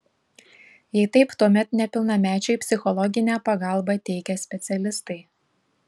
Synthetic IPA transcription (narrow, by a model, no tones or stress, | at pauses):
jɛɪt̪ɐɪpt̪uɔmʲɛt̪nʲɛpʲɪlˠnɐmʲæːt͡ʃʲɛɪpʲsʲɪxɔlˠɔɡʲɪnʲæːpɐɡɑˑlˠbɑt̪ʲɛɪkʲɛsʲpʲɛt̪sʲɛlʲɪst̪ɐɪ